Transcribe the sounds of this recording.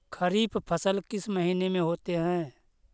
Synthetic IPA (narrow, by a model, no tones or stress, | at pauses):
kʰəɾiːbpʰəsəlkɪsməɦiːnemẽɦoːt̪eɦɛ̃ː